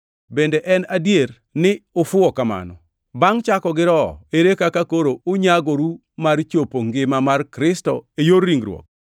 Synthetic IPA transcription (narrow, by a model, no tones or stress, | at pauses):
bendeʔɛnadjeɾ | nɪʊfʊɔkama̰nɔ̰ | baŋt͡ʃakɔɡɪɾɔeɾekakakoɾoʊɲaɡoɾu | mart͡ʃopoŋɡɪmamarkɾɪstɔejorːiŋɡɾw̰ɔ̰k̚